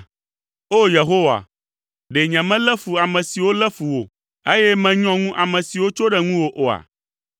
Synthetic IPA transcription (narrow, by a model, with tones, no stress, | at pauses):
o˦je˨ɦo˦wa̰˨ | ɖe˨ɲɛ̃˨mɛ̃˦lɛ˦fu˨a˨mɛ̃˨si˨wo˦lɛ˦fu˨wo˨ | e˦jɛ˦mɛ̃˨ɲɔ̃˦ŋũ˦ʔa˨mɛ̃˨si˨wo˦t͡ʃo˦ɖɛ˦ŋũ˦wo˨ʔo˨a̰˨